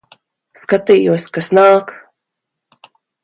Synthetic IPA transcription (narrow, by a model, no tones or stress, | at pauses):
skat̪ijuɔskasnaːk